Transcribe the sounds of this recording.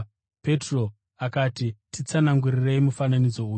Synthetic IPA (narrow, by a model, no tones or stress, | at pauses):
pe̞tro̞ | akaːtitit͡sanaŋɡurireimufananid͡zo̞uːj